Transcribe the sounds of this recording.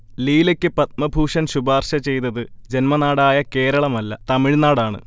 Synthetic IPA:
liːlekʲːɨpɐt̪̚mɐbʱuːʂɐnɕubaːrɕɐt͡ɕe̞jnɐðɨd͡ʑe̞nmɐnaːɽaːjɐke̞ːɾɐɭɐmɐlːɐt̪ɐmiɻnaːɽaːɳɨ̰

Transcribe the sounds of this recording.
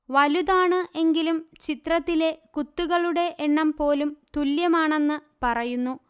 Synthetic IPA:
ʋɐluðaːɳɨʔe̞ŋɡilumt͡ɕit̪rɐt̪ːile̞kut̪ːuɣɐɭuɽe̞ʔeɳːɐmpo̞ːlumt̪uljɐmaːɳe̞nːɨpɐrɐjunːu

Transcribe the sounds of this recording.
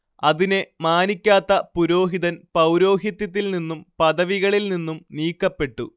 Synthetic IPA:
ɐðinemaːnikʲːaːt̪ːɐpuɾo̞ːɦiðɐnpɐwɾo̞ːɦjɐt̪jɐt̪̬ːilninːumpɐðɐʋiɣɐɭilninːumniːkːɐpːe̞ʈːṵ

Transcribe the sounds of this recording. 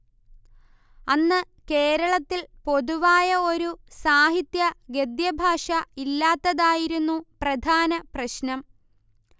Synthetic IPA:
ɐnːɨ | ke̞ːɾɐɭɐt̪ːilpo̞ðuʋaːjɐo̞ɾusaːɦit̪jɐɡe̞d̪jɐbʱaːʂɐilːaːt̪ːɐðaːjiɾunːuprɐd̪ʱaːnɐprɐɕnɐm

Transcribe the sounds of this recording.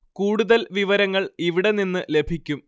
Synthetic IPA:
kuːɽuðɐlʋiʋɐɾɐŋːɐɭiʋiɽeninːɨle̞bʱikʲːum

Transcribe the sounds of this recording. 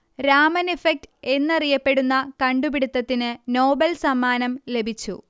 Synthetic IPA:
ɾaːmɐnefek̚ʈe̞nːɐrijɐpːe̞ɽunːɐkɐɳɖubiɽut̪ːɐt̪ːinɨno̞ːbɐlsɐmːaːnɐmle̞bʱit͡ɕːṵ

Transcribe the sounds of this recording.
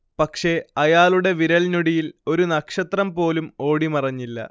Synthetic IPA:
pɐkʂe̞ɐjaːluɽe̞ʋiɾɐɭnuɽijilo̞ɾunɐkʂɐt̪rɐmpo̞ːlumo̞ːɽimɐrɐɲːilːɐ̰

